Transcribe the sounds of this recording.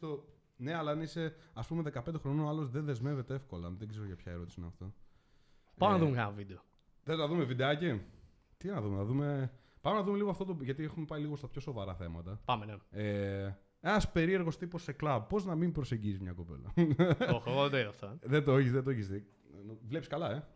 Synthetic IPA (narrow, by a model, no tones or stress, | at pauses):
st̪o | ne̞ɐlɐniseɐspumeðekɐpend̪exɾo̞noɐlo̞zðenðe̞zme̞vet̪eefko̞lɐ̰nðeɡze̞ɾoʝɐpçɐeɾo̞t̪isineɐ̰ft̪o̞ | pamenɐðumekɐnɐvid̪eo | ðenɐðumevid̪eɐce | t̪inɐðumenɐðume̞ | pɐmenɐðume̞liɣoɐft̪ot̪̬oʝɐt̪iexumepɐiliɣost̪ɐpço̞so̞vɐɾɐθe̞mɐt̪ɐpɐmenee | enɐspe̞ɾie̞ɾɣo̞st̪iposeklɐbpːo̞znɐmimbɾoseɲɟisizmɲɐko̞pe̞̰lɐ̰oxoɣoðed̪oinɐft̪oðed̪oeçisðet̪oeçise | nvle̞piskɐlɐe̞